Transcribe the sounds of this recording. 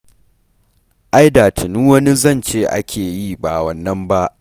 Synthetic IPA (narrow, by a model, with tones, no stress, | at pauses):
ʔa˦jdaː˨tʰɪ˨nu˦wɐ˦ni˦zɐ˦˨nt͡ʃeː˦ʔa̰˦kʲʰeː˨ji˦ba˨wɐ˨nːɐ˦mba˦ʔ